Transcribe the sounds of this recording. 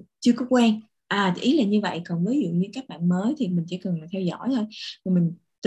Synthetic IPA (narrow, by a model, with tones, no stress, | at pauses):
t͡ɕɨ˧əkɔ˨˦kwaː˧n | ʔaː˨˩˧ʔi˨˦˥laː˨˩ɲɨ˧və̰˧˨jkə˨˩nvəː˨˦jzṵ˧˨ɲɨ˧kaː˦˥k̚ɓa̰ː˧˨nməː˨˦jt̪ʰi˨˩mï˨˩ŋ̟sɛ̰˧˥kə˨˩nlaː˨˩t̪ʰɛ˧wzɔ̰˧˥˨jt̪ʰo˧jmɔ˨˩mï˨˩ŋ̟ | t̪